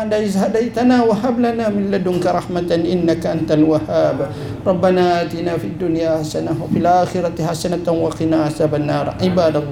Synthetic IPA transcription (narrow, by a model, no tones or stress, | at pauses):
ʕd̪aʔɪzhad̪ajt̪anaːwaɦablanaːmɪllad̪ʊŋkaɾˤɑħmat̪ʔɪnːakaʔant̪alwahaːb | ɾˤɑbːanaːʔaːt̪inaːfid̪ːʊnjaːaħsanawafilʔaːxɪɾat̪ħasanat̪anwɑqinaːʕasabanːɑːɾˤʕɪbaːd̪alˤː